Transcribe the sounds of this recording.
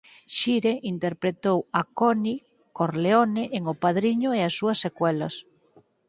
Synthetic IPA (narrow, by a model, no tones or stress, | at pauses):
ʃiɾeʔint̪eɾpɾet̪owakɔni | koɾleonɪʔeŋopaðɾiɲʊeasːuɐsːekwɛlɐs